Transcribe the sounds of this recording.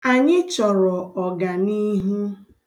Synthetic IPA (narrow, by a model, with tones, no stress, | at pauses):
a˨ɲɪ˦t͡ʃɔ˨ɾɔ˨ɔ˨ɡa˨ni˦ɦu˦